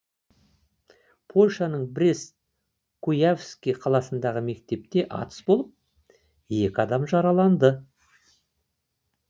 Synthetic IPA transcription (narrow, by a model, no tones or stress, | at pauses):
pʰo̞lʲʃɑnəɴbɪɾes | kʰujafskʲijqʰɑlˠɑsənd̪ɑʁəme̞kt̪e̞p̚t̪e̞ʔɑ̰t̪ə̥sbo̞lˠəp̚ | je̞kʲɪɑd̪ɑmʒɑɾɑlˠɑnd̪ə